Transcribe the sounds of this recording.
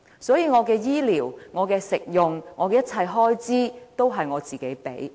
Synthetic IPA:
sɔː˨˥jiː˧ŋɔː˨˧kɛː˧jiː˥liː˨˩wŋɔː˨˧kɛː˧sɪ˨k̚jʊ˨ŋŋɔː˨˧kɛ˧jɐ˥t̚t͡sʰɐ˧jɦɔː˥jt͡siː˥t̪o˥wɦɐ˨jŋɔː˨˧t͡siː˨˩ke˨˥jpḛ˨˥j

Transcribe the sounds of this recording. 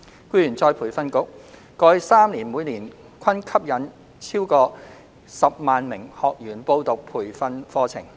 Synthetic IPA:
kʷuː˥jy˨˩nt͡sɔː˧jpʰuː˨˩jfɐ˥nkʊ˥k̚ː | ɔː˧jsaː˥mliː˨˩nmuː˨˧jniː˨˩n | kʰɐ˥nkʰɐ˥p̚jɐ˨˥n | t͡sʰiː˥wkɔː˧ | sɐ˨p̚maː˨nmɪ˨˩ŋhɔː˨k̚jyː˨˩npo˧wt̪ʊ˨k̚pʰuː˨˩jfɐ˥nfɔː˥t͡sʰɪ̰˨˩ŋ

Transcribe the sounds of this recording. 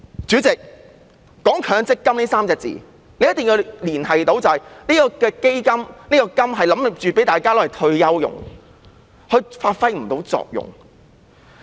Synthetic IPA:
t͡ʃyː˨˥t͡sɪ˨k̚ː | ɔː˨˥ŋkʰœː˨˥ŋt͡sɪ˥kːɐ˥mniː˥saː˥mt͡sɛː˧t̚t͡sḭː˨ | ne˧jɐ˥t̪ŋji˧wliː˨˩nɦɐ˨jt̪o˨˥wt͡sɐ˨hɐ˨jniː˥kɔ˧kɛː˧ke˥jkɐ˥mniː˥kɔː˧kɐ˥mɦɐ˨jlɐ˨˥mɪ˨p̚t͡ʃyː˨pe˨˥jt̪aː˨jkaː˥lɔ˨˥hɐ˨˩t̪ʰɵ˧ɥjɐ˥wjʊ̰˨ŋ | hɵ˧faː˧t̚fɐ˥jm̩˨˩t̪o˨˥wt͡sɔ̰ː˨k̚jʊ̰˨˩ŋ

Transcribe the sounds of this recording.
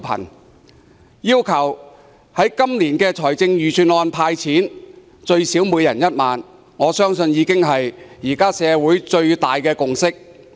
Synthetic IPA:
pʰɐ̰˨˩n | jiː˥wkʰɐ˨˩w | hɐ˨˥jkɐ˥mliː˨˩nkɛː˧t͡sʰɔː˨˩jt͡sɪ˧ŋjyː˨˩t͡sʰyː˨˩nɔː˨˧npʰaː˧jt͡sʰiː˨˥n | t͡ʃɵ˧ɥsiː˨˥wmuː˨˧jɐ˨˩njɐ˥t̚maː˨n | ŋɔː˨˧sœː˥ŋsɵ˧njiː˨˧kɪ˥ŋɦɐ˨jjiː˨˩kaː˥sɛː˨˧wuː˨˥jt͡ʃɵ˧ɥt̪aː˨jkɛː˧kʊ˨ŋsɪ˥k̚

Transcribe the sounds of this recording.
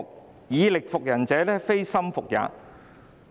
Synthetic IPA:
k̚ | jiː˨˧lɪ˨k̚fʊ˨k̚jɐ˨˩nt͡sɛː˨˧lɛː˥fe˥jsɐ˥mfʊ˨k̚ja̰ː˨˧

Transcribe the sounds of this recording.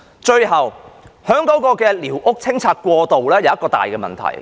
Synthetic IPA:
t͡ʃɵ˧ɥɦɐ˨whœː˨˥ŋkɔː˨˥kɔː˧kɛː˧liː˨˩wʔʊ˥k̚t͡sʰɪ˥ŋt͡sʰaː˧t̚kʷwɔː˧t̪o˨wlɛː˥jɐ˨wjɐ˥kɔː˧t̪a̰ː˨jkɛː˧mɐ̰˨nt̪ʰɐ̰˨˩j

